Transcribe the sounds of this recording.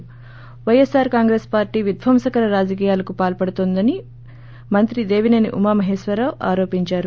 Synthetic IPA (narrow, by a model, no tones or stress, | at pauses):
ʋɐjesaːɾkaːŋɡɾeːspaːɾʈiːʋid̪ʱʋʱɐmsɐkɐɾɐɾaːd͡ʒɐk̬iːjaːlɐkupaːlpɐɽut̪oːnd̪ɐni | mɐnt̪ɾid̪e̞ːʋinɐniʔumaːmɐɦeːʃʋɐɾaːʋaːɾo̞ːpiɲt͡ʃaːɾu